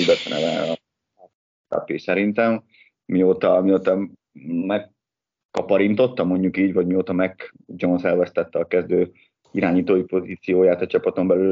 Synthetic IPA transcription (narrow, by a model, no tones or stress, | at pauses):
ibɛt̪ɛnɛ̰vɛ | t̪a̰piːsɛɾint̪ɛm | mioːt̪ɒmioːt̪ɒ | mɛkː | ɒpɒɾint̪o̞t̪ːɒmːo̞ɲɟukiːɟvɒɟmioːt̪ɒmɛkd͡ʒo̞nsɛlvɛst̪ɛt̪ːɛɒkɛzd̪øː | iɾaːɲiːt̪oːjipo̞ziːt̪sijoːjaːt̪ɒt͡ʃɒpɒt̪o̞mbɛlyl